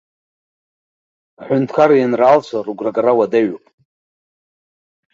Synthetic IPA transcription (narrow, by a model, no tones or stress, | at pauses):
aħʷʊntʰkʰaɾajanraːlt͡ɕʷʰaruɡʷraɡarawadaɥopʼ